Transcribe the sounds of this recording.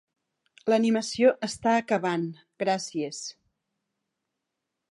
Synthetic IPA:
ləniməsioʔəst̪aəkəβ̞an | ɡɾasies

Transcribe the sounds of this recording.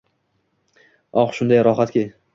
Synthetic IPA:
ɒχʃʊnd̪ajɾɒχat̪kʲe

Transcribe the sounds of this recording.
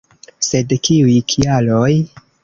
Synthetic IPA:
se̞dkiujkʰialo̞j

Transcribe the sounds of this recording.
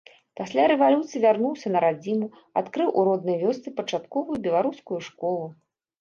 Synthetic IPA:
pasʲlʲaɾɛvalʲut̪sɨjivʲarnuwsʲɐnɐɾad͡zʲimu | at̪kɾɨwʔuɾɔd̪̚nɐjvʲɔst̪sɨpɐt͡ʂat̪kɔvujubʲɛlˠaɾuskujuʂkɔlˠu

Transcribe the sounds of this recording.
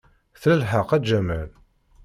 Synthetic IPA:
θləlħəqæd͡ʒæmæl

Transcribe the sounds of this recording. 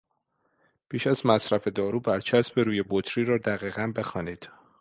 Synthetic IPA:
pʰiːʃæzmæsɾæfe̞d̪ɒːɾuːbæɾt͡ʃʰæsbeɾuːje̞bot̪ʰɾiːɾɒːd̪æɣiːɣænbe̞xɒːniːd̪̥

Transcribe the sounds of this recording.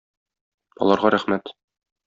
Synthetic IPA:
ɒ̰lˠɑɾʁɑɾæχmæt̪

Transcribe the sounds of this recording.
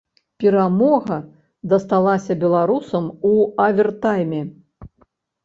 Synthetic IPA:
pʲɛɾamɔɣɐ | d̪ɐst̪alˠasʲɐbʲɛlˠaɾusɐmuavʲɛrt̪ajmʲɛ

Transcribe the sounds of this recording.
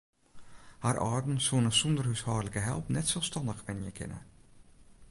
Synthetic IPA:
harʔɑːrdn̩suənəsɔndərhyshɑːrləkəɦɛ̰lˠpnɛtsɛlˠfstɑndəxʋɛnjə̰kʰɪ̰nə̰

